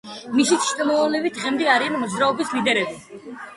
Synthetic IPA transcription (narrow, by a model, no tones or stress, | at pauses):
misit̪ʃt̪ʼɔmɔvalɛbitd̪̚ʁɛmd̪ɛaɾianmɔd̪zɾaɔbislid̪ɛɾɛbi